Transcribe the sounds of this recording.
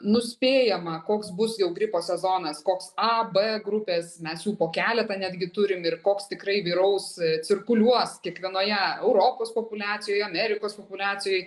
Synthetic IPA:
nʊsʲpʲeːjɛmɐkoːksbʊsjɛʊɡɾʲɪpoːsʲɛzoːnɐskoːksɐbeɡɾʊpʲeːsmʲɛsjuːpoːkʲæːlʲɛt̪ɐnʲæːd̪ʲɡʲɪt̪ʊɾʲɪmɪrkoːkst̪ʲɪkrɐɪʋʲiːɾɐʊst͡s̪ʲɪrkʊlʲuɔskʲiɛkʋʲiɛnoːjɛɛʊɾoːpoːspoːpʊlʲɑːt͡sʲɪjoːjɐmʲɛɾʲɪkoːspopʊlʲɑːt͡s̪ʲɪjɔɪ

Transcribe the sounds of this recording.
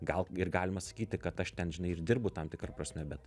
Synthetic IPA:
ɡɐlˠɪrɡɑːlʲɪmɐsɐ̥kʲiːt̪ʲɪkɐt̪ɐʃt̪ʲɛnʒʲɪnɐɪɪɾd̪ʲɪrbʊt̪ɐmt̪ʲɪkɾɐpɾɐsʲmʲɛbʲɛt̪

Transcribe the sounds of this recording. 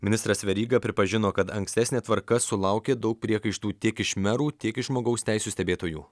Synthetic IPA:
mʲɪnʲɪst̪ɾɐsʋʲɛɾʲiːɡɐpʲɾʲɪpɐʒʲɪnoːkɐt̪ɐŋksʲt̪ʲɛsʲnʲeːt̪ʋɐɾkɐsʊlˠɐˑʊkʲeːd̪ɐʊk̚pʲɾʲiɛkɐɪʃt̪uːt̪ʲiɛkɪʃmʲɛɾuːt̪ʲiɛkɪʃʒmoːɡɐʊsʲt̪ʲæˑɪsʲuːst̪ʲɛbʲeːt̪oːjṵː

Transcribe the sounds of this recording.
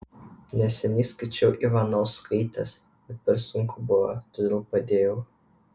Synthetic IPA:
nʲɛsʲɛnʲiːskɐɪt͡ʃʲɛʊʔiʋɑnɔʊskʰɐɪt̪ɐs | bʲɛt̪̚pʲɛɾsʊŋkʰʊbʊʋɐt̪oːd̪ʲeːlˠpɐd̪ʲeːjɛʊ

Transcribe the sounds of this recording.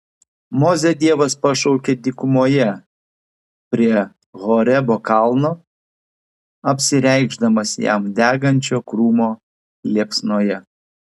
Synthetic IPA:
moːzʲɛd̪ʲiɛʋɐspɐʃɔʊkʲeːd̪ʲɪkʊmoːjɛ | pʲɾʲiɛ | ɣoːɾʲɛboːkɑˑlˠnoː | ɐpʲsʲɪɾʲɛɪɡʒd̪ɐmɐsʲjæ̰md̪ʲæːɡɐnʲt͡ʃʲoːkɾuːmoː | lʲiɛpsnoːjɛ

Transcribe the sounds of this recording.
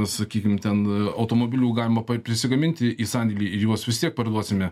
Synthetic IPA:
ssɐkʲiːkʲɪmt̪ʲɛnɐʊt̪oːmoːbʲɪlʲuːɡɑːlʲɪmɐpɐpʲɾʲɪsʲɪɡɐmʲɪnʲt̪ʲɪʔiːsɑnʲd̪ʲɪlʲiːɪjuɔsʋʲɪst̪ʲiɛk̚pɐrd̪uɔsʲɪmʲɛ

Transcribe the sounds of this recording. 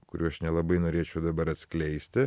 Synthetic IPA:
kʊɾʲuːɐʃnʲɛlˠɐbɐɪnoːɾʲeːt͡ʃʲɛʊd̪ɐbɐɾɐt̪ʲsʲklʲɛɪsʲt̪ʲɪ

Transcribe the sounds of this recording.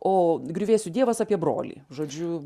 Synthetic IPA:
oːɡɾʲuːʋʲeːsʲʊd̪ʲiɛʋɐsɑːpʲiɛbro̰ːlʲḭːʒoːd͡ʒʲʊ

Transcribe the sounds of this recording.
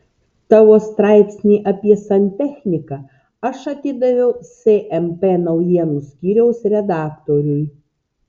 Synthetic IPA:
t̪ɑːʋoːst̪ɾɑˑɪpʲsʲnʲiːʔɐpʲiɛsɐnʲt̪ʲɛxʲnʲɪkɐ | ɐʃɐt̪ʲɪd̪ɐʋʲɛʊsʲeʔɛmpʲeːnɐʊjiɛnuːsʲkʲiːɾʲɛʊsɾʲɛd̪ɑːkt̪oːɾʲɛɪ

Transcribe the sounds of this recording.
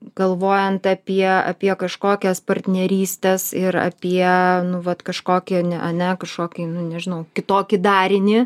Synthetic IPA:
ɡ̥ɐlˠʋoːjɛnt̪ɐpʲiɛɐ̰pʲiɛkɐʃkoːkʲɛspɐrʲt̪ʲnʲɛɾʲiːsʲt̪ʲɛsɪɾɐ̰pʲiɛnʊʋɐt̪kɐʃkoːkʲɪnʲɛɐnʲɛkɐʃkoːkʲɪnʊnʲɛʒʲɪnɐʊkʲɪt̪oːkʲɪd̪ɑːɾʲɪnʲɪ

